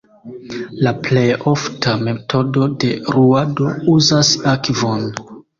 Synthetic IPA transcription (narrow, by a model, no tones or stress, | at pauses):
laple̞jo̞ftʰame̞tʰo̞do̞de̞ɾuado̞uzasakvo̞n